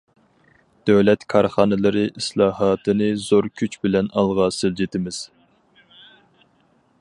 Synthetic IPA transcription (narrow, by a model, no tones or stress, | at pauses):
d̪̥øwlɛt̪kʰɑɾχɑːnɨlˠɨɾɨʔislˠɑːɦɑːt̪ʰɨnɨz̥oɾkʲʰyt͡ʃbɪlɛnɑlˠʁɑsɪld͡ʒɪt̪ʰɪmɪz̥